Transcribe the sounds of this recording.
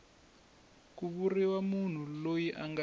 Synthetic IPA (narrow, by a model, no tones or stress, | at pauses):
k̬uɓuriwamun̤ulojiʔaŋɡa